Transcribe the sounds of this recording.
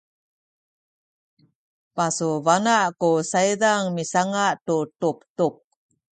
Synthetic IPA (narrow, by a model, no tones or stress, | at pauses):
pasuvanaʔkusaidaŋmisaŋaʔtutup̚tup̚